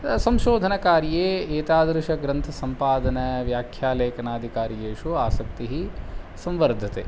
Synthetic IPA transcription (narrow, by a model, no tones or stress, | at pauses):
sɐmʃoːd̪ʱɐnɐkaːɾjeːt̪aːd̪ɾuʃɐɡɾɐnt̪ʰɐsɐmpaːd̪ɐnɐʋjaːkʰjaːleːkɐnaːd̪ʱikaːɾjeːʃuaːsɐk̚t̪iɦisɐ̃mʋɐɾd̪ʱɐt̪ḛː